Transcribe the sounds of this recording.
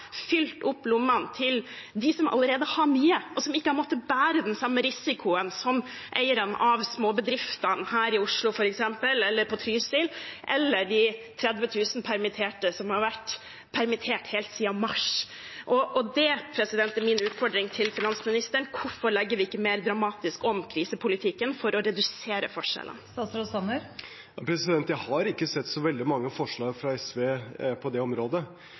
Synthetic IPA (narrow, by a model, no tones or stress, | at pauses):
fʏlt̪ʊpːlʊmːɑnt̪ʰɪld̪ɪsɔmɑ̰lːəɾeːd̪əhɑɾmyːəʔɔsɔmɪkːəhɑɾmɔt̪ːəbæːɾəd̪ɛnsɑmːəɾɪsɪkʰʊənsɔm | ʔḛɪəɾənʔɑʋsmoːbəd̪ɾɪft̪ɑnhæːɾɪʊʂlʊfɔɾɛksɛmpəlɛlːəɾpʰɔt̪ʰɾyːsɪlʔɛ̰lːəɖɪt̪ʰɾɛd̪ʋət̪ʰʉːsnpʰæɾmɪt̪ʰeːʈəsɔmhɑɾʋæʈː | pʰæɾmɪt̪ʰeːʈheːlt̪siːɑmɑʂ | ʔɔʔɔd̪ɛpʰɾɛsɪd̪ɛnt̪ɛmɪnʉːt̪fɔɖɾɪŋt̪ʰɪlfɪnɑnsmɪnɪst̪əɳkʰʊfɔɾɭɛɡːəɾʋɪɪkːəmeːɾd̪ɾɑmɑːt̪ɪskɔmkʰɾiːsəpʰʊlɪt̪ʰɪkːənfɔɾɔɾɛd̪ʉseːɾə̰fɔʂɛ̰lə̰nt̪ɑsɾɔsɑnːəɾ | jɑpʰɾɛsɪd̪ɛnt̪jæɪhɑɾɪkːəsɛt̪ːsɔʋɛld̪ɪmɑŋːəfɔʂɭɑːɡfɾɑɛsʋeːpʰɔd̪ɛɔmɾoːd̪ə